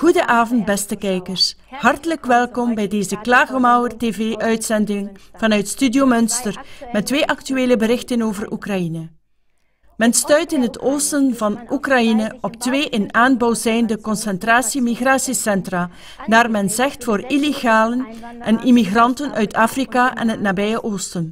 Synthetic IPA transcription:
ɣudəʔaːvɔnt̚bɛstəkɛjkərs | hɑrtələkʋɛlˠkɔmbɛjdeːzəklaːɣəmawərteːveːʔœɥtsɛndɪŋvɑnœɥtstydiomɵnstərmɛtʋeːʔɑktyeːləbəɾɪxtənoːvərʔukrɑinə | mɛnstœɥtɪnɦətoːstənvɑnʔukrɑjinəɔptʋeːʔɪnaːnbɔwzɛjndəkɔnsɛntraːsimiɣraːsisɛntra | naːrmɛnzɛxtfoːrileɣaːlən | ʔɛnʔimiɣrɑntənœɥtaːfrikaʔɛ̰nɦətnaːbɛjəʔoːstən

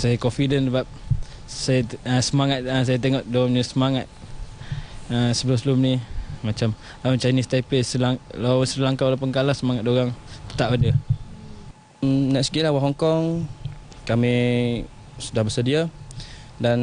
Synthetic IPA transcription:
sajakɔnfidənsəbap̚ | sajaəsəmaŋat̪̚əs̬ajat̪eŋɔʔdoamɲəsəmaŋat̪̚ | əsəbəlumsəlumnimat͡ʃam | lawt͡ʃanist̪ajplesəlaŋlasəəlaŋkawalapəŋkalasəmaŋat̪̚doɣaŋt̪ə̥t̪apadə | nɛkskilawaɦɔŋkɔŋ | kami | sudahbəsədia | dan

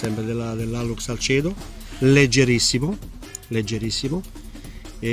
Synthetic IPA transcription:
sɛmpɾed̪elad̪elːaluksalt͡ʃɛːd̪o | led͡ʒːeɾisːimʊ | led͡ʒːeɾisːimʊ

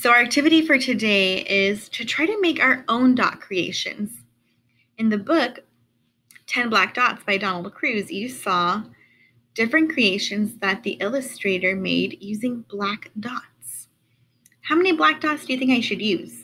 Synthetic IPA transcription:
soʊ˞ɨk̚tʰɪvɨɾifə˞tʰɨdeɪɪz̥tʰɨtʰɹ̥aɪɾɨmeɪkaʊə˞ʔõʊ̃ndɑ̰t̚kʰɹ̥ieɪʃɨ̰̃nz̥ | ɨ̃nðɨbʊk | tʰɛ̃nblæk̚d̥ɑtsb̥aɪdɑnl̩ˠd̚kʰɹ̥ʉzjɨsɔ | d̥ɪfɹɨ̃nkʰɹ̥ieɪʃɨ̃nzðɨt̪̚ðiʔɪlˠəstɹ̥eɪɾə˞mḛɪdjʉzɪ̃ŋb̥lækd̥ɑts | haʊmɛniblæk̚d̥ɑtsd̥ɨjɨθɪ̃ŋkaɪʃɨdjʉz̥

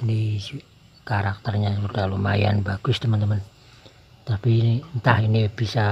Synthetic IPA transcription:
inis | kaɾak̚t̪ərɲasud̥ahluma̰ja̰nbaɡ̥ʊst̪əmənt̪əmən | t̪apinint̪ahinib̥isa

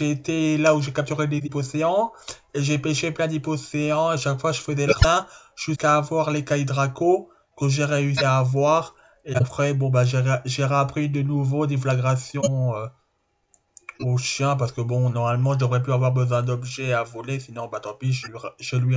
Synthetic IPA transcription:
ʒeːt̪elauʒekap̚t̪yʁed̪eziposeɑ̃ | eʒepɛʃeplɛ̃d̪ipɔseɑ̃eʃakfwaʒəfəzɛləɛ̃ | ʒ̥yskaːvwaʁlekaid̪ʁako | kəʒeʁeysiaːvwaʁ | eapχɛbɔ̃baʒeʁʒeʁapχid̪ənuvod̪eflaɡʁasjɔ̃ø | oʃjɛ̃p̬aʁsə̥kəbɔ̃nɔʁmalmɑ̃ʒəd̪əvʁɛp̬yavwaʁbəzwɛ̃d̪ɔbʒɛavɔlesinɔ̃baat̪ɔ̃piʒəiʁʒəlɥi

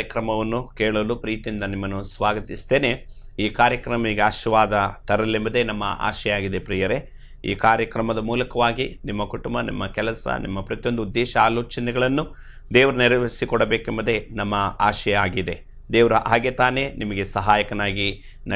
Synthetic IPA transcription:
jɐkɾɐmɐʋɐnːukeːɭoːlupɾiːt̪ijind̪ɐnimːɐnːusʋaːɡɐt̪ist̪eːne̞ | iːkaːɾjɐkɾɐmɐɡeaːʃɐʋaːd̪ɐt̪ɐɾɐlːembɐd̪e̞nɐmːɐ̰ʔa̰ːʃɛjaːɡid̪e̞pɾiːjɐɾe̞ | ḭːkaːɾjɐkɾɐmɐd̪ɐmuːlɐkɐʋaːɡinimːɐkuʈumbɐnḭmːɐkɛlɐsɐ̰nʔḭmːɐpɾɐt̪ijo̞nd̪uud̪ːɛːʃɐaːloːt͡ʃɐnɛɡɐɭɐnːu | d̪ɛːʋɐɾuniɾɐʋɐisikɔɽɐbeːkembɐd̪e̞nɐmːɐaːʃɐjaːɡid̪e̞ | d̪ɛːʋɐɾuʔaːɡet̪aːne̞nimɐɡe̞sɐɦaːjɐkɐnaːɡi | nɐ

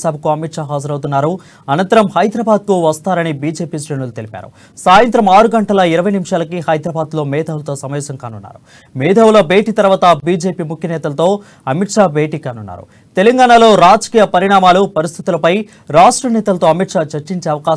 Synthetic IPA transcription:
saːbʱɐkuɐmiʈʂaːɦaːd͡ʒɐɾɐwt̪unːaːɾu | ɐnɐnt̪ɐɾɐmhɐjd̪ɾɐːbaːd̪̚kuʋɐst̪aːɾɐnibiːd͡ʒeːpiːsɾenult̪elipa̰ːɾṵ | saːjɐnt̪ɾɐmaːɾuɡɐɳʈɐlɐiɾɐʋɐjnimiʂaːlɐkiɦɐjd̪ɾɐbaːd̪lo̞ːmɛːd̪ʱaːʋulɐt̪o̞ːsɐmɐʋɛːsɐŋkaːnunːa̰ːɾu | mɛːd̪ʱɐwulɐbʱe̞ːʈiːt̪ɐɾʋaːt̪ɐbiːd͡ʒe̞ːpiːmukʰjɐnɛːt̪ɐlɐt̪o̞ː | ɐmiʈʂaːbʱe̞ːʈiːkaːnunːa̰ːɾṵ | t̪elɐŋɡaːɳalo̞ːɾaːd͡ʒɐkiːjɐpɐɾiɳaːmaːlupɐɾist̪ʰit̪ulɐpɐj | ɾaːʂʈɾɐnɛːt̪ɐlɐt̪oɐmiʈʂaːt͡ʃɐɾt͡ʃiɲt͡ʃeːɐʋɐkaː

